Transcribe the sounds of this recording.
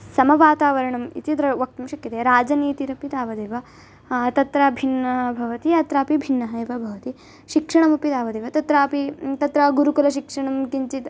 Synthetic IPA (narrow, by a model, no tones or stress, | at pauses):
sɐmɐʋaːt̪aːʋɐɾɐɳɐmḭt̪it̪ɾɐʋɐk̚t̪ɐmʃɐkjɐt̪eɾaːd͡ʒɐniːt̪iɾɐpit̪aːʋɐd̪eːʋɐ | t̪ɐt̪ɾaːbʱinːɐɦɐbʱɐʋɐt̪iɐt̪ɾaːpibʱinːɐɦɐjʋɐbʱɐʋɐt̪i | ʃikʂɐɳɐmɐpit̪aːʋɐd̪eːʋɐt̪ɐt̪ɾaːpit̪ɐt̪ɾɐɡuɾukulɐʃikʂɐɳɐmkiɲt͡ʃit̪